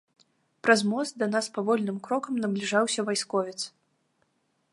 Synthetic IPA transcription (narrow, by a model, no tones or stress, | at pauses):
pɾɐzmɔsd̪ɐnaspavɔlʲnɨmkɾɔkɐmnɐblʲiʐawsʲɐvajskɔvʲɛt̪s